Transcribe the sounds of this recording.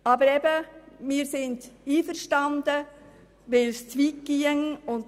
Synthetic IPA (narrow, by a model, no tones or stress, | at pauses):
ɑbəɾɛbəmɪːɾsɪndiːfəɾʃtɑnd̥̪ə | ʋɛlst͡sʋi̥ːiəŋʊnt